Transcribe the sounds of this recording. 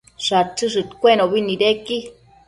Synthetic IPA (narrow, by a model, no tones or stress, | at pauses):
ʂat͡sɨʂ̬ɨt̪kʷenoβiniɾeki